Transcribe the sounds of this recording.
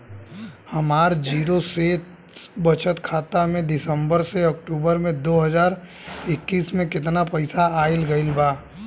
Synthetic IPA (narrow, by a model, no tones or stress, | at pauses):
hɐmaːɾd͡ʒiːɾoseːt̪̚ | bət͡ʃət̪kʰaːt̪amẽd̪ɪsə̃mbəɾseɐk̚ʈuːbəɾmẽd̪oːɦəd͡ʒaːɾ | ɪkːiːsmẽkɪt̪napəɪsaaːɪlɡəɪlbaː